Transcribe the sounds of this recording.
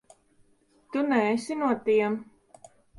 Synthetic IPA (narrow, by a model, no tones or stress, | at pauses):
t̪unɛːsinuɔt̪iɛm